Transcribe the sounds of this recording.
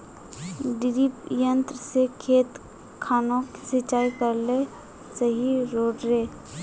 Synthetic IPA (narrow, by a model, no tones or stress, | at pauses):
ɖɪɾipjə̃nt̪ɾəsekʰeːt̪ | kʰaːnõːksɪt͡ʃaːikəɾle | səɦiɾoːɖɾeː